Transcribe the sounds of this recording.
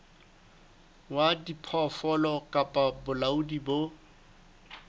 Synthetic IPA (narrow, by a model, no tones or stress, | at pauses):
wadipʰɔfɔlɔkʼapʼabʊlaudibo